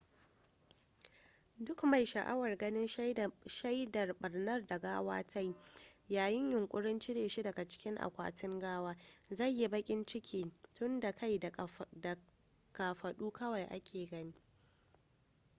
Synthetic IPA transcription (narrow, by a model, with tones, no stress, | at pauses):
dʊ˦kma˨jʃɐ˨ʔa̰˦wɐ˨rɡɐ˦nɪ˦nʃa˦jdɐ˨rɓɐ˨rnɐ˦rda˨ɡaː˦wa̰ː˦tʰa˦jjaː˨jɪ˦ɲjʊ˨ŋkʷʼʊ˦ɽɪ˦nt͡ʃi˦neː˨ʃi˦dɐ˨ɡa˨t͡ʃɪ̥˦kʲɪ˦ŋʔa̰˨kʷa̰ː˦tɪ˦ŋɡaː˦waː˦za˦˨jji˦bɐ˦kʲʼɪ˦nt͡ʃɪ˦kʲʰiː˨tʊ˦nda˨kʰa˦jda˨ | kaː˨ɸɐ˨ɗuː˦kɐ˦wa˨jʔa̰˦kʲʰeː˨ɡɐ˦niː˦